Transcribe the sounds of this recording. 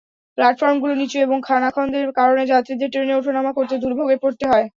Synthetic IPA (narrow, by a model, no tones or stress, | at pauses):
plaʈfɔɾmɡulonit͡ɕoeboŋkʰanakʰɔnd̪eɾkaɾoned͡ʑat̪ːɾid̪eɾʈɾeneoʈʰonamakoɾt̪ed̪uɾbʱoɡepoɾt̪eɦɔe